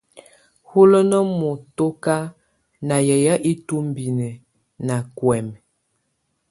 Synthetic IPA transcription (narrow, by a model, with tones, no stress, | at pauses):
hu˦lə˦nə˦mu˨to˦ka˦ | na˨jɛ˨ja˦ʔi˦tu˦m˦bi˨nɛ˨ | na˨kwɛ˨m